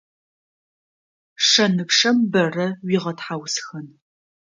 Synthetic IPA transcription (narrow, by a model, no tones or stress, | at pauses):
ʂɐnɨpʂɐmbɐrɐwiʁɐtħawsxɐn